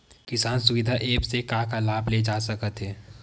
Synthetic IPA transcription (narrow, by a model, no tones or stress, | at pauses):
kɪsaːnsʊʋɪd̪ʱaʔeːpsekãːkalaːbled͡ʒaːsəkət̪ɦɛː